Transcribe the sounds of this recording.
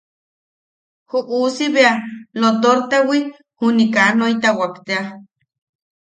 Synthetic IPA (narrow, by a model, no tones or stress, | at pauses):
huʔusiβealot̪oɾt̪ewi | hunikanoit̪awakt̪ea